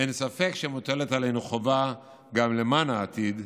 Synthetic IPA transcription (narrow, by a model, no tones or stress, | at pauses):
ensafe̞kʃemot̪elet̪ale̞jnuχova | ɡamle̞manaːt̪id